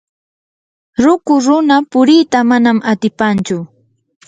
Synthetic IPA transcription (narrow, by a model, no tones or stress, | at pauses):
ɾʊkʊɾʊnapʊɾiːt̪amanamat̪ɪpant͡ʃʊ